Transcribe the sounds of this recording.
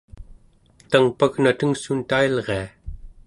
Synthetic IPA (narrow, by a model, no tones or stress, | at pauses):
t̪aŋpaɣnat̪əŋsunt̪ailʁea